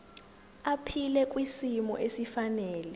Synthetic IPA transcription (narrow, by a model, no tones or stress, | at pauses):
apʰilɛk̬ʼwisimɔ̰ʔesifanɛːlɛ